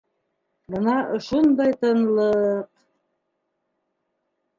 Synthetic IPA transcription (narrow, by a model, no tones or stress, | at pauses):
bɤnɑoʃund̪ɑjt̪ɤ̆nlˠɤq